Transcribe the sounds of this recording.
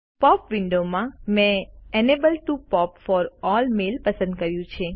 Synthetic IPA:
pɔpʋɪɳɖomãmɛ̃ɛnebəlʈupɔpfɔɾɔlmelpəsə̃nd̪kəɾjũt͡ʃʰe

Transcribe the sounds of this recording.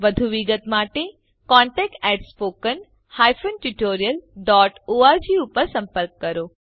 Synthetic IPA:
ʋəd̪ʱuʋiɡət̪maːʈe | kɔ̃ːɳʈɛk̚ʈɛʈspoːkən | haːjfʰonʈuʈoːɾijəlɖɔːʈoaɾd͡ʒiupəɾsɐ̃mpəɾkːəɾoː

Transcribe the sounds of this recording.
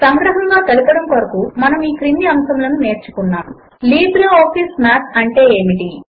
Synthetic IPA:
sɐŋɡɾɐɦɐŋɡaːkɐlukɐɽɐmkoɾɐkumɐnɐmiːkɾind̪iɐmsɐmlɐnune̞ːɾt͡ʃu̥kunːaːmu | liːbɾɐɔːpʰismaːt̪ɐɳʈe̞ːeːmiʈi

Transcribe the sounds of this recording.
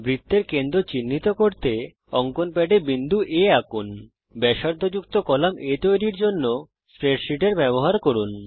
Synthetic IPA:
bɾit̪ʰːeɾkend̪ɾot͡ɕinːit̪okoɾt̪e | ɔŋkonpɛʈebind̪ʱuʔeakun | bɛʃaɾd̪ʱod͡ʑuk̚t̪okɔlamʔet̪ojɾiɾd͡ʑonːo | spɾeʈʃiʈeɾbɛboɦaɾkɔɾun

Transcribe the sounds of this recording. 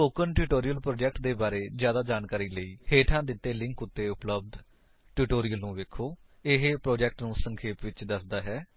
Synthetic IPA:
poːkənʈuːʈoːɾijəlpɾoːd͡ʒɛːk̚ʈd̪eːbaːɾeːzjaːd̪aːd͡ʒaːnkaːɾiːləiːheːʈʰãːd̪ɪt̪ːeːlɪ̃ŋkʊt̪ːeːʊpləb̚d̪ | ʈuːʈoːɾijəlnũːʋeːkʰoː | ɪɦepɾoːd͡ʒɛːk̚ʈnũːsə̃ŋkʰeːpʋɪt͡ʃd̪əsd̪aːɦɛː

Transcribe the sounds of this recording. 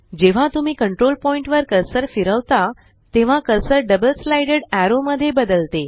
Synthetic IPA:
d͡ʑeʋ̤at̪um̤iːkəɳʈɾolpɔiɳʈʋəɾkəɾsəɾfiɾəʋt̪a | t̪eʋ̤ãkəɾsəɾɖəbəlslajɽeɽæɾoməd̪ʱːjebəd̪əlt̪e

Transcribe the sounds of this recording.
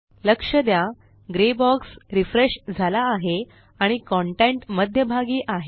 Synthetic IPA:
ləkʂəd̪ja | ɡɾebɔksɾifɾeɕd͡zʱalaːɦe | aɽ̃ikɔ̃ɳʈeɳʈməd̪ʱjəbʱaɡiːʔaɦe

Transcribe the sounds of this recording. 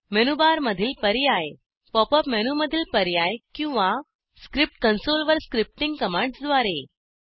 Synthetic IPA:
menubaɾməd̪ʱiːlpəɾjaj | pɔpəpmɛnuməd̪ʱiːlpəɾjajkĩw̃ʋa | skɾip̚ʈkənsolʋəɾskɾip̚ʈĩŋɡkəmãɳɖsd̪ʱʋaɾe

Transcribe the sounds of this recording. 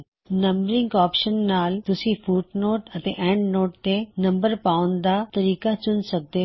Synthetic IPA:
nə̃mbɾɪ̃ŋɡɔːpʃənːaːlt̪ʊsĩfʰuːʈnoːʈət̪ẽʔɛ̃ːɳɖnoːʈ̚t̪enɐ̃mbəɾpaːʊnd̪at̪əɾiːkat͡ʃʊnsək̚d̪e

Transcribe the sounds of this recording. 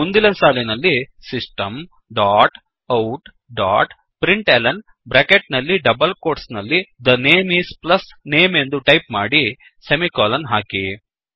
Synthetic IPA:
mund̪ilɐnsaːlinɐlːisisʈɐm | ɖaːʈ | ɐwʈ | ɖaːʈ | pɾiɳʈelɐn | bɾɐkeʈnɐlːiɖɐbɐlkoːʈsnɐlːid̪ɐneːmiːsplɐs | neːme̞nd̪uʈɐjpmaːɽi | semikaːlɐnɦaːki

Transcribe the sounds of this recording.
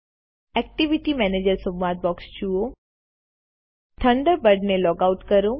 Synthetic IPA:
ɛk̚ʈiʋiʈimɛned͡ʒəɾsomat̪̚bɔksd͡ʒuo | t̪ʰəɳɖəɾbəɾɖnelɔɡawʈkəɾo

